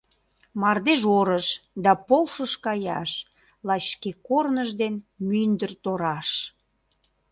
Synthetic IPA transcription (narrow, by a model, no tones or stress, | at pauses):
mɑrd̪eʒoɾəʃd̪ɑpolʃəʃkɑjɑ̰ʃ | lɑt͡ɕːkekornəʒd̪enmynd̪ərt̪oɾɑʃ